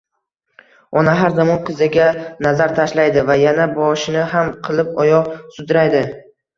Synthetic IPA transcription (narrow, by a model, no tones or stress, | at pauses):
ɒnaɦaɾzamɒnqʰɨzaɡʲanazaɾt̪ʰaʃlajd̪ɪvajanabɒʃɪnɪɦamqʰɨlˠɪp̚ɒjɒʁsʊd̪ɾajd̪ɪ